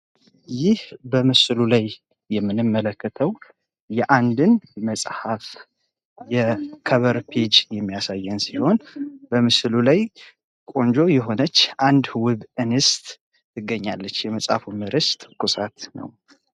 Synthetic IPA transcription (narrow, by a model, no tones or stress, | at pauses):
jɪhbəmɨslulajː | ɛmːɨnɨmːələkːət̪ʰəw | jɛʔand̪ɨnməsʼhaf | jɛkʰəβəɾpʰed͡ʒjɛmːijasajːɛnsiho̞nbəmɨslulaj | kʼo̞nd͡ʒo̞jɛɦo̞nət͡ʃːʔand̪wɨβɨnɨst̪ | ɨɡːəɲːa̰lːət͡ʃːjɛməsʼha̰fumɨɾɨst̪ʼkʰʼusʼat̪nə̰w